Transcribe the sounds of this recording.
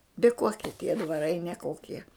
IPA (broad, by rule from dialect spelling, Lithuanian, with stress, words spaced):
bʲɪ ˈkoːkʲiɛ tʲiɛ dʋɐˈrɐɪ nʲɛˈkoːkʲiɛ